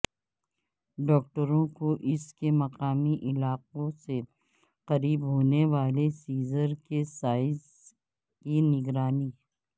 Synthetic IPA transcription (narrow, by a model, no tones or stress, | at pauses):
ɖɔːk̚ʈəɾõkoʔɪskemɐqaːmiʔɪlaːqõse | qɐɾiːbɦoːneʋaːlesiːzəɾkesaːɪz | kinɪɡɾaːniː